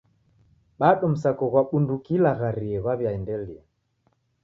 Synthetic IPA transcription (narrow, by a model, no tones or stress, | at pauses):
ɓaɗɔm̩sakɔɣwaɓundukilaɣaɾiɛɣwaβjaɛndɛlia